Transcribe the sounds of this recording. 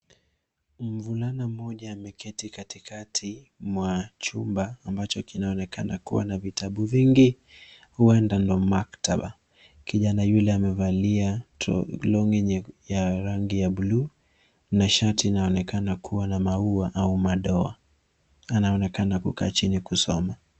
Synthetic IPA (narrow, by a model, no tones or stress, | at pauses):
m̩vulanam̩m̩ɔʄaːmɛkʰɛtikatikatʰi | mwat͡ʃumbaːmbat͡ʃɔkinaɔnɛkanakṵwa̰navitʰaɓuviŋɡi | huɛndandɔmaktaɓa̰ | kiʄanajulɛamɛvaliatlɔŋinjaɾaŋɡijaɓulu | naʃatiːnaɔnɛkanakʰuwanamauaʔaumaɗɔa̰ | anaɔnɛkanakuka̰ːt͡ʃinikusɔ̰ma